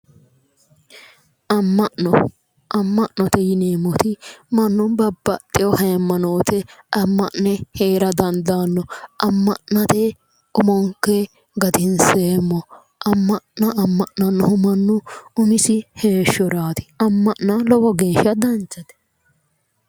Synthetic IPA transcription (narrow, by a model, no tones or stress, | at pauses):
ʔɐmːɐʔnɔ | ʔɐmːɐʔnɔt̪ɛjɪneːmɔt̪ɪmɐnːʊnbɐbːɐt̪ʼːɪjɔhɐɛmːɐnoːt̪ʰɛɐmːɐʔnɛheːɾɐd̪ɐnd̪aːnːɔɐmːɐʔnɐt̪ɛ | ʊmɔŋkːɛ | ɡɐd̪ɪnseːmːɔ | ʔɐmːɐʔnɐʔɐmːɐʔnɐnːɔɦʊmɐnːʊʊmɪsɪhe̞ːʃːɔɾaːt̪ɪ̥ɐmːɐʔnɐlɔwɔɡe̞ːʃːɐd̪ɐnt͡ʃːɐt̪ɛ̥